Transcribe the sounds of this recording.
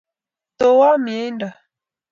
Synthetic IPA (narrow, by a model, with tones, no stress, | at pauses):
to˨wa˦mje˨˦nda˨